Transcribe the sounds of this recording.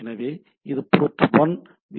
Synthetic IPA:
ɪnɐʋeː | ɪðɯpoːʈːʋɔn | ʋi

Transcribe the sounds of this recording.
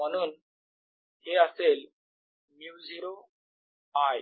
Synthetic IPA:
m̤əɽ̃uːn | heəsel | muwd͡zʱiɾo | aj

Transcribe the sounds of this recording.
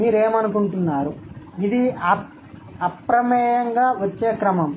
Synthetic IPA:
niɾeːmɐnukuɳʈunːaːɾu | id̪iɐ | ɐpɾɐmɛːjɐŋɡaːʋɐt͡ʃːeːkɾɐmɐm

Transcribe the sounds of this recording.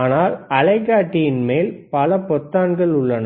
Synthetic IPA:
aːnaːlɐlɐɪkːaːʈːɪjɪnmeːlpɐlɐpɔt̪ːaːnɡɐɭʊɭːɐnɐ

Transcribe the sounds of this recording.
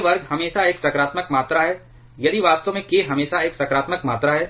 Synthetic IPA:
ʋɐɾɡhɐmeːʃaeːksɐkɾaːt̪məkmaːt̪ɾaɦɛː | jɐd̪iʋaːst̪õmẽkeɦɐmeːʃaeːksɐkɾaːt̪məkmaːt̪ɾaɦɛː

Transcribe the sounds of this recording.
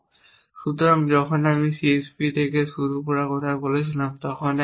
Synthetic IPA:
ʃut̪oɾamd͡ʑɔkʰonamisiespit̪ʰekeʃuɾupɔɾakɔt̪ʰabolet͡ɕʰilamt̪ɔkʰon

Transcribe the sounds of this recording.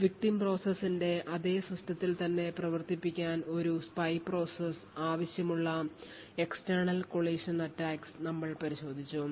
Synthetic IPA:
ʋik̚ʈimpro̞ːsesːinde̞ʔɐðe̞ːsrɐstʰɐt̪ːilt̪ɐnːe̞prɐʋɐrt̪ipːikʲːaːno̞ɾuspɐjpro̞ːses | aːʋɐɕjɐmuɭːɐ | e̞kstɐrɳɐlko̞ɭeːʂɐnɐtːaːksnɐmːɐɭpɐɾiɕo̞ːd̪ʱit͡ɕːu

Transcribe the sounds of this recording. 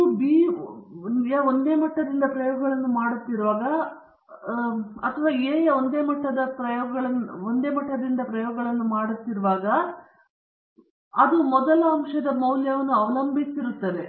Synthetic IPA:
biː | jɐond̪e̞ːmɐʈːɐd̪ind̪ɐpɾɐjɔːɡɡɐɭɐnːumaːɽut̪ːiɾuʋaːɡɐ | ɐt̪ʰɐʋaːeːond̪e̞ːmɐʈːɐd̪ɐpɾɐjɔːɡɐɡɐɭɐnond̪e̞ːmɐʈːɐd̪ind̪ɐpɾɐjɔːɡɐɭɐnːumaːɽut̪ːiɾuʋaːɡɐ | ɐd̪umɔd̪ɐlɐɐmʂɐd̪ɐmɐwljɐʋɐnːuɐʋɐlɐmbʱisiɾut̪ːɐd̪e

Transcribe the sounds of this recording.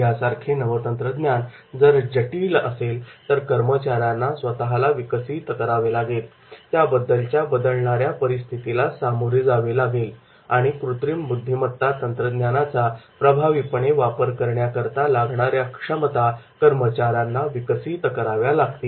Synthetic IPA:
jasaɾkʰenəʋət̪ənt̪ɾəd̪njand͡zəɾd͡ʑəʈilʔəselt̪əɾkəɾmət͡ɕaɾjanːasʋət̪aɦalaʋikəsiːt̪kəɾaʋelaɡel | t̪jabəd̪ːəlt͡ɕjabəd̪əlɳaɾjapəɾist̪ʰit̪ilasamuɾed͡zaʋelaɡel | aɽ̃ikɾut̪ɾimbud̪ʱːimət̪ːat̪ənt̪ɾəd̪njanat͡sapɾəbʱaʋipəɳeʋapəɾkəɾɳjakəɾt̪alaɡɳaɾjakʂəmət̪akəɾmət͡ɕaɾjanːaʋikəsit̪kəɾaʋjalaɡt̪iː

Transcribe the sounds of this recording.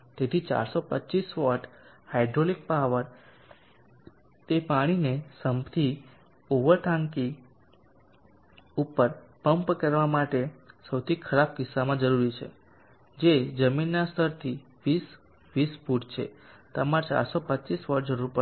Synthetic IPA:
t̪et̪ʰit͡ʃa̰ɾsopətːt͡ʃisʋɔʈ | hajɖɾolik̚paɦʋəɾ | t̪epaɽ̃inesəmpt̪ʰi | oʋəɾʈʰãŋki | upəɾpəmpkəɾʋamaʈesəwt̪ʰikʰəɾab̚kɪsːamãd͡ʒəɾuɾit͡ʃʰḛ | d͡ʒed͡ʒəminːast̪ʰəɾt̪ʰi | ʋis | ʋisfuʈt͡ʃʰḛt̪əmãt͡ʃa̰ɾsopətːt͡ʃisʋɔʈ̚d͡ʒəɾuɾpə

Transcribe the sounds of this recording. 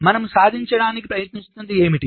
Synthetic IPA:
mɐnɐmusaːd̪ʱiɲt͡ʃɐɽaːnikipɾɐjɐt̪nist̪und̪ie̞ːmiʈi

